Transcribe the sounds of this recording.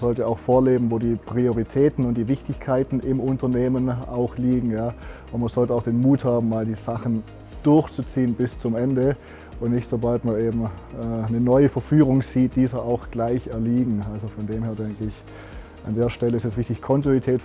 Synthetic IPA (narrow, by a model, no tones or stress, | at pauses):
z̥ɔltəaʊxfoːɐleːbm̩voːdiːpʁ̥ioʁ̞itʰɛːtn̩ʊnt̚d̥iːvɪçtɪçkʰaɪtn̩ʔɪmʊntɐneːmənaʊxliːɡŋ̩jaː | ʊntmanz̥ɔltəaʊxd̥eːnmuːthaːbm̩maːldiːzaχən | d̥ʊɐçt͡sut͡siːənbɪst͡sʊmʔɛndə | ʊntnɪçtz̥obaltmaɐneːbm̩ɛnənɔʏəfɛɐfyːʁʊŋz̥iːt̚d̥iːzɐʔaʊxɡ̥laɪçɛɐliːɡŋ̩alzofɔndeːmheːɐdɛŋkəɪç | ʔa̰ndeːɐʃtɛləɪstɛsv̥ɪçtɪçkʰɔntinitʰɛːt